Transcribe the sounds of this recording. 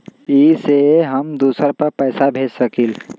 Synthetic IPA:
iseɦəmd̪usəɾpəɾpəɪsabʱed͡ʒsəkil

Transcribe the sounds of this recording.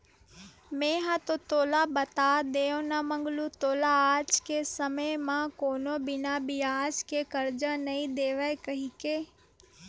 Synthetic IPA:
mẽːɦãt̪ot̪oːlabɐt̪ad̪eːõnamə̃ŋɡlut̪oːlaaːd͡ʒkesəməjmãkoːnobɪnabɪaːd͡ʒkekəɾd͡ʒənɐĩd̪eːʋəekɐɦikeː

